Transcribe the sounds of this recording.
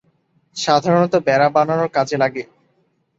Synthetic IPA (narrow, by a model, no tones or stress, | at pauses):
ʃad̪ʱaɾonot̪obɛɾabananoɾkad͡ʑʰelaɡe